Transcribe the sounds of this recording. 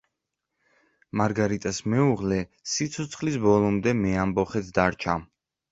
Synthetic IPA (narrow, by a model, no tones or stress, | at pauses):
maɾɡaɾit̪ʼasmɛuʁlɛsit̪sʰɔt̪sʰχlisbɔlˠɔmd̪ɛmɛambɔχɛt̪ʰd̪aɾt͡ʃʰa